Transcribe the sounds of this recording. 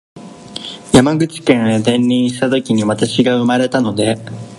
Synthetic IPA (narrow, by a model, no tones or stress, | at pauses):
jamaɡɯ̟t͡ɕi̥kẽ̞ɰed̪ẽ̞nːʲĩɰ̃ɕi̥t̪at̪o̞kʲiɲ̟iβat̪aɕiɡaɯ̟maɾe̞t̪ano̞d̪e̞